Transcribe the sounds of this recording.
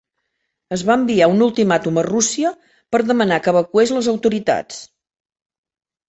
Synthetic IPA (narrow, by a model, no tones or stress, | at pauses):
əzβaəmbiaunulˠt̪imat̪umərusiə | pəɾðəmənakəβəkuezləzəwt̪uɾit̪a̰t͡s